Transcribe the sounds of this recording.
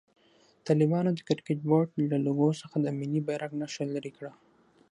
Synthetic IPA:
t̪ɑlɪbɑnod̪əkɪɾkeʈ̚boɖlaloɡosəxad̪əminibajɾaknaʃalaɾikɽa

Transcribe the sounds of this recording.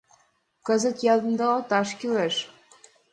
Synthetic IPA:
kɤ̆zə̆t̪jɑlˠd̪ə̆nd̪ɤot̪ɑʃkʲyleʃ

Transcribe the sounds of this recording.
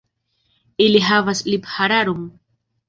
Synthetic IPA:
iliɦavasliphaɾaɾum

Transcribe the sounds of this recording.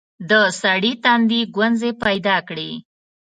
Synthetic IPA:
d̪əsaɽit̪and̪iɡwanzepajd̪ɑkɽe

